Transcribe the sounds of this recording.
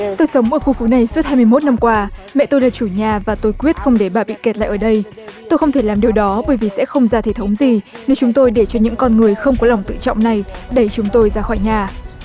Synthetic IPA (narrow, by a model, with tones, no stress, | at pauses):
t̪o˧jsə˨˦wŋ͡mʔəː˧˩xu˧˩fu˨˦na˨˩jsu˦˥t̚haː˧jmɨ˧jmo˦˥t̚na˧mkwaː˧mɛ̰˧˨t̪o˧jlaː˧˩t͡ɕu˧˩ɲaː˨˩vaː˨˩t̪o˧jkwi˦˥ət̚xə˧wŋ͡mɗe˧˩ɓaː˨˩ɓḭ˧˨ke˨˩t̚la̰ː˧˨jʔəː˧˩ɗə˧j | t̪o˧jxə˧wŋ͡mt̪ʰe˧˩laː˨˩mɗi˨˩əwɗɔ˨˦ɓəː˧˩jvi˨˩sɛ̰˧˥xə˧wŋ͡mzaː˧t̪ʰe˧˩t̪ʰə˨˦wŋ͡mzi˨˩ne˨˦wt͡ɕʊ˨˦ŋ͡mt̪o˧jɗe˧˩t͡ɕɔ˧ɲɨ̰˧˥ŋkɔ˧nŋɨ˨˩əjxə˧wŋ͡mkɔ˨˦la˨˩wŋ͡mt̪ɨ̰˧˨t͡ɕɔ̰˧˨wŋ͡mna˨˩jɗə˧˩jt͡ɕʊ˨˦ŋ͡mt̪o˧jzaː˧xɔ˧˩jɲaː˨˩